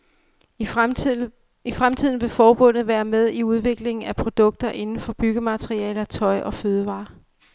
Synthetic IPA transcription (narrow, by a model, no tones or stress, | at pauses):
ifʁamt͡sʰið̞ˠn̩ʋe̝fɒːb̥ɔ̽n̰ð̩ˠʋæːɐmeð̞ˠiuð̞ˠʋe̝ɡ̥le̝ŋn̩æpʰʁo̝d̥ɔ̽ɡ̥̚d̥ɐʔe̝nn̩fɒ̽b̥yɡ̥əmæt͡sʰʁiɛ̰ːlɐt͡sʰɒ̽ɪʔɒ̽føːð̞ˠəʋɑ̰̈ː